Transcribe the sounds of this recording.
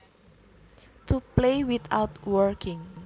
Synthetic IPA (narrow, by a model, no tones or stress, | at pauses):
t̪uplewit̪a̰wtwəɹkʰɪ̃ŋ